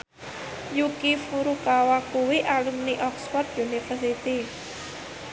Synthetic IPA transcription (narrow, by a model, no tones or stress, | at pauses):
jukifuɾukawakuwiʔalumniʔɔksfɔrt̪̚junifərsit̪i